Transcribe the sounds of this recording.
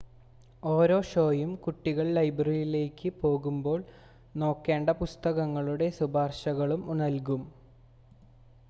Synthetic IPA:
o̞ːɾo̞ːɕo̞ːjumkuʈːiɣɐɭlɐjbɐrilile̞ːkːɨpo̞ːɣumbo̞ːɭ | no̞ːkːe̞ːɳɖɐpust̪ɐɣɐŋːɐɭuɽe̞subaːrɕɐɣɐɭumunɐlkum

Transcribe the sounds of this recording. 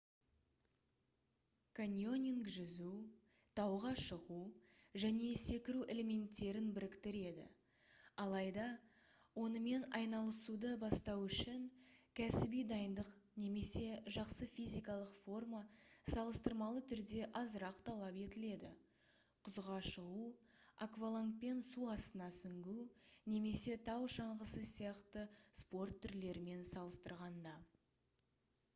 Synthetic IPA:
kʰanʲjo̞nʲiŋkʒʏzu | t̪ʰɑwʁɑʃəʁuʒæne̞se̞kʲɪɾuʔe̞le̞me̞nt̪ːe̞ɾɪnbɪɾɪkt̪ɪɾe̞d̪ɪ̰ | ɑlˠɑjd̪ɑ | wo̞nəme̞nɑjnɑlˠəsud̪əbɑst̪ɑwʏʃɪŋkʲʰæsɪbijd̪ɑjənd̪əqne̞me̞se̞ʒɑqsəfʲijzʲijkɑlˠəqfo̞rmasɑlˠəst̪əɾmɑlˠət̪ʰʏɾd̪e̞ʔɑzəɾɑqt̪ʰɑlˠɑpe̞t̪ɪle̞d̪ɪ | qʰʊzʁɑʃəʁu | akvalˠant̪̚pe̞nsuɑst̪ənɑsʏŋɡʲuwne̞me̞se̞t̪ʰɑwʃɑɴʁəsəsijɑqt̪əspo̞rt̪ʰːʏɾle̞ɾɪme̞nsɑlˠəst̪əɾʁɑnd̪ɑ

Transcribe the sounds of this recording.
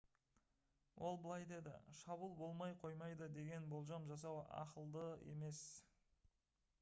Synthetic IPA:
wʔo̞lˠbəlˠɑjd̪e̞d̪ɪ̰ʃɑbulˠbo̞lˠmɑjqʰo̞jmɑjd̪əd̪e̞ɡʲe̞nbo̞lˠʒɑmʒɑs̬ɑwɑ̰qəlˠd̪əe̞me̞s

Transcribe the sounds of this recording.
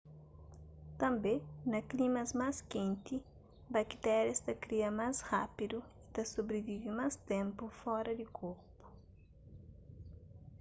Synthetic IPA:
t̪ɐ̃mbenɐklimɐzmaskẽnt̪i | bɐki̥t̪ɛɾjɐst̪ɐkɾiɐmashapid̪uit̪ɐsobɾevivimast̪ẽmpufɔɾɐd̪ikʰoɾpu̥

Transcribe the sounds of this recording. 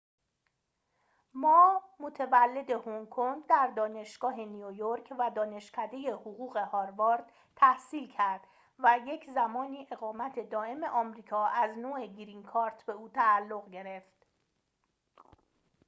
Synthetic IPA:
mɒːmo̞t̪ʰevælːe̞d̪ehoŋkʰoŋɡd̪æɾd̪ɒːne̞ʃɡ̥ɒːɦe̞nijojoɾkʰvæd̪ɒːne̞ʃcʰæd̪e̞je̞hoɣuːɣe̞hɒːɾvɑɾd̪̥ | t̪ʰæhsiːlcʰæɾd̪̥ | væje̞cʰzæmɒːniːʔe̞ɣɒːmæt̪ʰe̞d̪ɒːe̞me̞ʔɒːmɾiːkʰɒːʔæznoːeɡiɾiŋkʰɒːɾt̪ʰbeuːt̪ʰæːlːo̞ɣɟe̞ɾe̞ft̪

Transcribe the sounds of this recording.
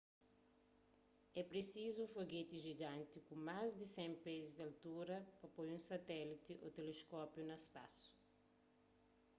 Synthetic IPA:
ɛpɾesizuufoɡet̪iʒiɡãnt̪ikumazd̪isɛ̃mpezizd̪ɐlt̪uɾɐpɐpojũsɐt̪ɛlit̪iʔo̰t̪eleskɔpjunɐspasu̥

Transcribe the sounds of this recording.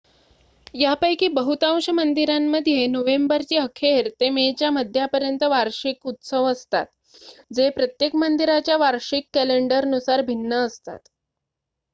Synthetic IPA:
japəjkiːbəɦut̪ãw̃ɕəmənd̪iɾamːəd̪ʱjenoʋembəɾt͡ɕiːɦəkʰeɾt̪emet͡ɕjaməd̪ʱːjapəɾjənt̪əʋaɾɕikut̪səʋəst̪a̰t̪ | d͡zepɾət̪jekmənd̪iɾat͡ɕjaʋaɾɕikːæleɳɖəɾənusaɾbʱinːəːst̪a̰t̪

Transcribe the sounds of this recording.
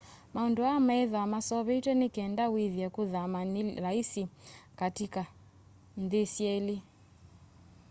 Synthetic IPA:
maunduamɛɛðaamasɔβɛitwɛnikɛndawiðjɛkuðamaniɾaisikatika | n̩ðisiɛli

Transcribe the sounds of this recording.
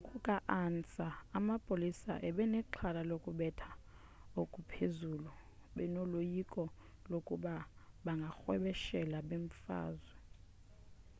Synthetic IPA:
kʼukʼaʔant͡sʼaːmapʼolisa̰ʔɛɓɛnɛǁʰalalokʼuɓɛtʰḁ | okʼupʰezuluɓɛnolojikʼɔ | lokʼuɓaɓaŋɡʱaxwɛɓɛʃɛlaɓeɱ̩fa̰ːzwɛ

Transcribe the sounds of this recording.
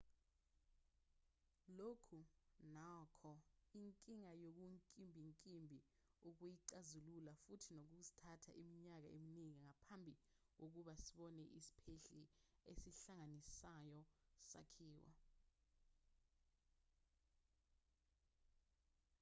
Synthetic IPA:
lokʰunakʰɔiŋkʼiŋajok̬uŋkʼimbʱiŋkʼimbʱi | uk̬ujiǀazululafutʰinok̬uk̬uzi̥tʰatʰa̰ʔimiɲak̬a̰eminiŋiŋapʰambʱi | k̬ok̬uɓasiɓɔnɛʔisi̥pʰeɬiesiɬaŋanisajɔsa̰kʰiːwa̰

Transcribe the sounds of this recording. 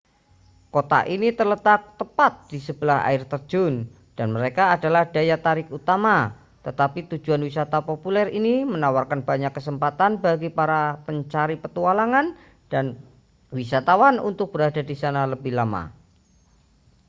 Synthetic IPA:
kot̪a̰ʔinit̪ərlət̪ak̚t̪əpat̪̚d̥isəb̥əlaɦa̰ɪrt̪ərd͡ʒʊn | d̥anməɾekaːdalahd̥ajat̪aɾɪkut̪ama | t̪ət̪apit̪u̥d͡ʒuanwisat̪apopulɛrinimənawarkanb̥aɲakːəsəmpat̪anbaɡipaɾapəɲt͡ʃaɾipət̪ualaŋan | d̥an | wisat̪awanṵnt̪ʊk̚b̥əɾadadisanaləbɪhlama̰

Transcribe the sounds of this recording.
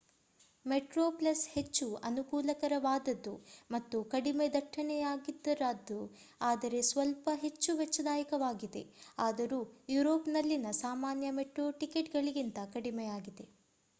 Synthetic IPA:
meʈɾoːplɐshe̞t͡ʃːuɐnukuːlɐkɐɾɐʋaːd̪ɐd̪ːumɐt̪ːukɐɽimed̪ɐʈʰːɐnɛjaːɡid̪ːɐɾaːd̪ːu | aːd̪ɐɾe̞sʋɐlpɐɦe̞t͡ʃːuʋɛt͡ʃːɐd̪aːjɐkɐʋaːɡid̪e̞aːd̪ɐɾuːjuɾo̞ːpnɐlːinɐsaːmaːnjɐmeʈɾo̞ːʈike̞ʈɡɐɭiɡint̪ɐkɐɽimɛjaːɡid̪e̞

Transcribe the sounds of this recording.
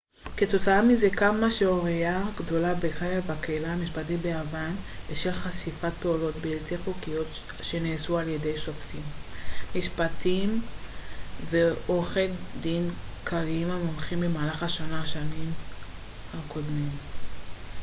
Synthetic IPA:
ke̞t̪o̞t͡saamizekamaʃeoʁejaɡdo̞labekajavakeilaːmiʃpat̬ibeavanbeʃelχasifat̚peulo̞tbeːlteχukijo̞t | ʃe̞neːsualje̞dejʃoftimmiʃpatim | veoχeldinkʰaʁiimamomχimbemaːlaχaʃanaʃanim | hako̞dmim

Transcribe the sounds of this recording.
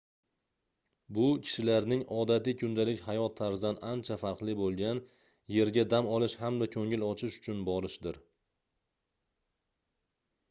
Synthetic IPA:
bʊkʲʰɪ̥ʃɪlaɾnɪŋɒd̪at̪ɪkʲʰʊnd̪alɪkʲhajɒt̪ʰːaɾzanant͡ʃʰafaɾqlˠɪbolˠɡʲan | je̞ɾɡʲad̪amɒlˠɪʃhamd̪akʲʰɵŋɪlɒt͡ʃʰɪʃʊ̥t͡ʃʰʊnbɒɾɪʃd̪ɪɾ

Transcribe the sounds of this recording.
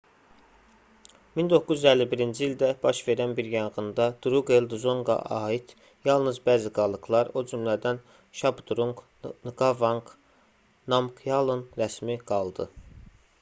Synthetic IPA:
mind̪o̞kʰːuzyzælːibiɾind͡ʒiild̪æb̥ɑʃve̞ɾænbiɾjɑɴʁɯnd̪ɑd̪̥uɾuɡeld̪uzoŋɡɑ̰ʔɑːit̪ | jɑlˠnɯzbæːziɡɑlˠɯɡlˠɑɾo̞d͡ʒymlæd̪æn | ʃɑbd̪uɾuŋɡ | nɡɑvɑŋk | nɑmkʰjɑlˠɯnɾæsmiɡ̥ɑlˠd̪ɯ

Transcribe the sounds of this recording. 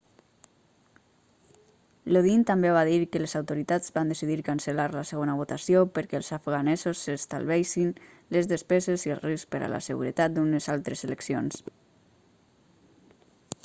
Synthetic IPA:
loðint̪ambeβaðiɾkəlezawt̪oɾit̪ad͡zβand̪əsiðiɾkansəlaɾləsəɣonəβ̞ot̪asjopəɾkɛlˠzafɣanɛzosːəst̪a̰lβɛjʃin | ləzðəspɛzeziəlˠrispəɾə̰la̰səɣṵɾə̰t̪at̪̚d̪unəzalˠt̪ɾəzeləksions

